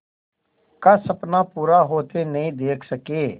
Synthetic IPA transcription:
kasɐpnapuːɾaɦoːt̪enɐɦĩd̪eːkʰsɐkeː

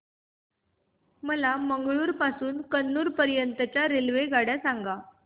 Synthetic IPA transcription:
məlaməŋɡɭuːɾpasuːnkənːuːɾpəɾjənt̪ət͡ɕaɾelʋeɡaɽjasaŋɡa

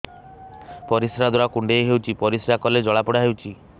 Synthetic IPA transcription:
pɔɾisɾad̪ɔɾakuɳɖeːɦewt͡ʃʰipɔɾisɾakɔled͡ʒɔɭapɔɽaɦewt͡ʃʰi

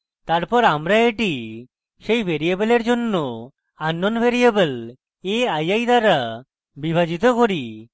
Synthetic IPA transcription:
t̪aɾpɔɾamɾaeʈi | ʃejbʱeɾiebeleɾd͡ʒonːo | anːonbʱeɾiebəl | eajajd̪aɾa | bibʱad͡ʑit̪okoɾi

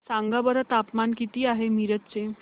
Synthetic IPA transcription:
sãŋɡabəɾət̪apmankit̪iːaɦemiɾət̪t͡se

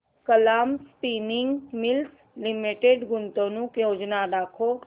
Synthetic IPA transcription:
kəlaːmspiːnɪŋɡmɪls | lɪmɪʈeɖɡʊnt̪õːnũːkjoːd͡ʒnadaːkʰoː

